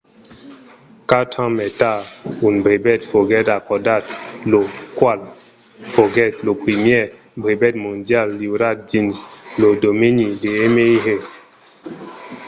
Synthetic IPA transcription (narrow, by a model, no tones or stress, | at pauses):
katʰãmɛtaunbɾebɛtfoɡɛtakɔdat̚lokwal | foɡɛt̚lopimjɛ | bɾebɛt̚mõndjalːiɾat̚d͡ʒinslodominideemeiɦe